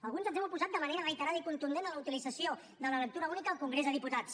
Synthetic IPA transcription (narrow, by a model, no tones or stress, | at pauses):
əlˠɣ̞unzənzɛwupuzat̪̚d̪əməneɾəɣəjt̪əɾaðəikunt̪und̪enələut̪ilidd͡zəsio | d̪ələlək̚t̪uɾəunikəəlˠkuŋɡɾezðəðiput̪at͡s